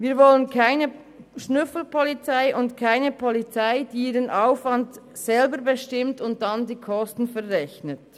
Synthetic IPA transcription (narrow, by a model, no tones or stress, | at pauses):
viːɐvɔlənkʰaɪnə | ʃnʏfl̩pʰɔlit͡saɪʔʊntkʰaɪnəpʰɔlit͡saɪd̥iiːɾənʔaʊfvɑnd | sɛlbəɾbəʃtɪmtʊnt̚d̥ɑndiːkʰɔstn̩fɛʁʁɛçnət